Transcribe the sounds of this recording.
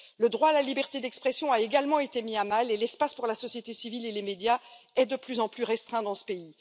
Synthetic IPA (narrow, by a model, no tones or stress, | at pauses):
ləd̪ʁwaːlalibɛʁt̪ed̪ɛkspχɛsjɔ̃aeɡalmɑ̃et̪emiamalelɛspaspuʁlasɔsjet̪esivilelemed̪jaɛd̪əplyzɑ̃plyʁɛst̪χɛ̃d̪ɑ̃sə̥pei